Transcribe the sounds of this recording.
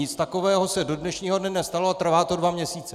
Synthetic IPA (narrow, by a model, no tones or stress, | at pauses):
ɪt͡st̪ako̞vɛːɦo̞sɛdo̞dnɛʃɲiːɦo̞dnɛnɛst̪aloat̪r̩vaːt̪o̞dvamɲɛsiːt͡sɛ